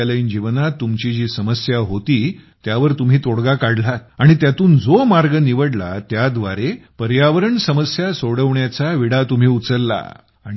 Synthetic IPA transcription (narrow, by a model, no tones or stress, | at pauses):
aləiːnd͡ʑiʋnat̪ːumt͡ɕid͡ʑiːsəməsjaɦot̪iː | t̪jaʋəɾt̪um̤iːt̪oɽɡakaɽlat̪aɽ̃it̪jat̪uːnd͡zomaɾɡəniʋəɽla̰t̪jad̪ʋa̰ɾepəɾjaʋəɾəɳsəməsjasoɽəʋɳjat͡saʋiɽat̪um̤iːut͡səɾːa̰ | aɽ̃i